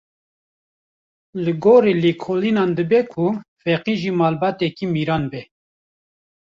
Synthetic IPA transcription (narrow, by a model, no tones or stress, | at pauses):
lɨɡoːɾiːliːkʰolinɑːnd̪ɨbɛkʰufɛqiːʒimɑːlbɑːt̪ɛkiːmiɾɑːnbɛ